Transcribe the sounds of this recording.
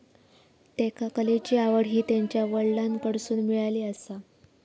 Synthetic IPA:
t̪ekakəlet͡ɕiːaʋəɽɦiːt̪jaɲt͡ɕjaʋəɭlankəɽsuːnmiɭaliːəsa

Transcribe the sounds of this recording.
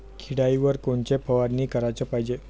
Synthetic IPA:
kʰiɽaiʋəɾkoɳt͡ɕepʰəʋadnːiːkəɾajt͡səpaɦid͡ʑe

